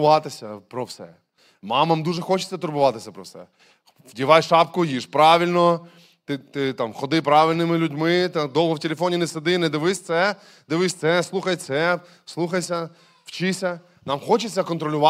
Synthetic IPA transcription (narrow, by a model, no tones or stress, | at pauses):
ʋɑt̪ɪsʲɐpɾɔwsɛ̰ | mɑmɐmd̪uʒɛxɔt͡ʃɪ̥t͡sʲːɐt̪ʊrbʊʋɑt̪ɪsʲɐpɾɔwsɛ̰ | dʲiʋɑjʃɑpkʊjiʃpɾɑʋʲilʲnɔ | t̪ɪt̪ɪt̪ɑmxɔd̪ɪpɾɑʋʲɪlʲnɪmɪlʲʊdʲmɪt̪d̪ɔlˠɦɔwtʲelʲef̬ɔnʲinesed̪ɪnɛd̪ɪʋɪsʲt̪sɛ | d̪ɪʋɪsʲt̪sɛslˠuxɐjt̪sɛ | slˠuxɐjsʲɐ | w̥t͡ʃɪsʲɐ | nɑmxɔt͡ʃɪt͡sʲːɐkɔnt̪ɾɔlʲʊʋɑ